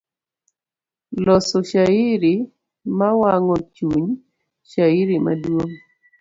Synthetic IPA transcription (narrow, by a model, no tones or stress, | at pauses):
lɔsɔʃaiɾi | mawaŋɔt͡ʃuɲ | ʃaiɾima̰dwoŋ